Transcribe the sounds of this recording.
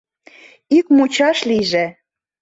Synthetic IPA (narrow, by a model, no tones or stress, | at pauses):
ikmut͡ɕɑʃliʒĕ